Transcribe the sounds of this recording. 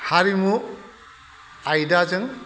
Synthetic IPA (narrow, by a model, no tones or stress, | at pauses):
haɾimu | ajdazɯŋ